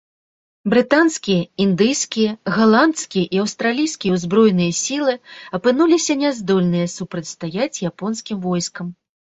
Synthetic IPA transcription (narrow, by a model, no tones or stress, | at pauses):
bɾɨt̪anskʲijɐind̪ɨjskʲijɐɣalˠant̪skʲijɐʔiɐwst̪ɾalʲijskʲijɛwzbɾɔjnɨjɐsʲilˠɨɐpɨn̪ulʲisʲɐnʲɛzd̪ɔlʲnɨjɐsupɾɐt͡sʲst̪ajat͡sʲjapɔnskʲimvɔjskɐm